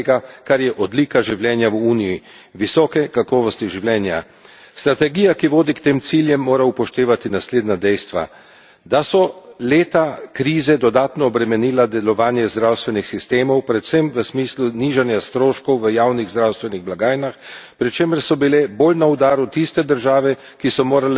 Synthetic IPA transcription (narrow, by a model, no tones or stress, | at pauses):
eɡakaɾjɛʔɔd̪liːkaʒiwljɛːnjawuːniji | ʋisɔːkɛkakɔːʋɔst̪iʒiwljɛːnja | st̪ɾat̪ɛɡiːjakiʋoːd̪ikt̪eːmt̪siːljɛmːoːɾaupɔʃt̪eːʋat̪inasleːd̪nad̪ɛjst̪ʋa̰ | d̪asɔleːt̪akɾiːzɛd̪ɔd̪aːt̪nɔːbɾɛmɛniːlad̪ɛlɔʋaːnjɛzd̪ɾawst̪ʋɛnixsist̪eːmɔwpɾɛt̪sɛmʋəsmiːsluniːʒanjast̪ɾoːʃkɔwʋəjaːwniɣzd̪ɾawst̪ʋɛniɣblaɡaːjnaxpɾit͡ʃeːməɾsɔbilɛboːlnaud̪aːɾut̪ist̪ɛd̪əɾʒaːʋɛ | kisɔmoːɾalɛ